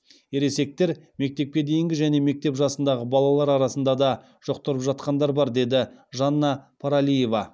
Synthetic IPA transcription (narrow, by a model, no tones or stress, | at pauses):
eɾe̞se̞k̚t̪e̞ɾme̞k̚t̪e̞p̚kʲe̞d̪e̞jɪŋɡʲɪʒæne̞me̞k̚t̪e̞pʒɑsənd̪ɑʁəbɑlˠɑlˠɑɾɑɾɑsənd̪ɑd̪ɑ | ʒ̥oqt̪əɾəpʒɑt̪̚qɑnd̪ɑɾbɑɾd̪e̞d̪ɪʒɑnːɑpʰaɾalʲije̞vɑ